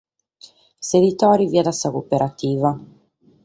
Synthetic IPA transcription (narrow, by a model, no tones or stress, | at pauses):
sed̪it̪ɔːɾiviːad̪asakopeɾʔat̪iːva